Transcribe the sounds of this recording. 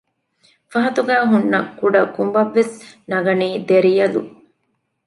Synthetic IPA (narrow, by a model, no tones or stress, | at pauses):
fɐɦɐt̪uɡæːɦunːɐkːuɖɐkumʋɐʋːesnɐɡɐniːd̪eɾijɐlu